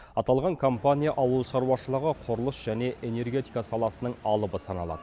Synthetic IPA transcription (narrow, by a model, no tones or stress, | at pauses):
ɑt̪ɑlˠʁɑŋkʰo̞mpanʲijaʔɑwəlˠʃɑɾuwɑʃəlˠəʁəqʰoɾəlˠəsʒ̥æne̞ʔene̞rɡʲe̞t̪ijkasɑlˠɑsənəɴɑlˠəbəsɑnɑ̰lˠɑ̰d̪̥əə